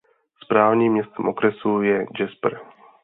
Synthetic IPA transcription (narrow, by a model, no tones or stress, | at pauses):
spɾaːvɲiːmːɲɛst̪ɛmʔokɾɛsujɛd͡ʒɛspɾ